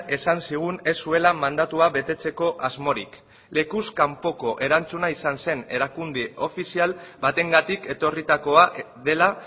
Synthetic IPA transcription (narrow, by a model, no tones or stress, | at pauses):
e̞sansiɣ̞une̞sːue̞lamand̪at̪uaβe̞t̪e̞t͡se̞ko̞ʔazmo̞ɾik | le̞kuskampo̞ko̞ʔe̞ɾant͡sunaisanse̞ne̞̰ɾakund̪io̞fisialbat̪e̞ŋɡat̪ike̞t̪o̞rit̪ako̞aʔ | ðe̞la